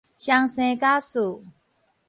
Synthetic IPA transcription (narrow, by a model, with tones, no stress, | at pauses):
ɕa˧ŋsɛ̃˧˨ka˦su˨